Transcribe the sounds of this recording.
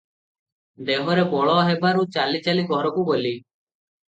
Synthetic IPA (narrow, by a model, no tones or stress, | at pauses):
d̪eɦɔɾebɔɭɔɦebaɾut͡ʃalit͡ʃaliɡʱɔɾɔkuboli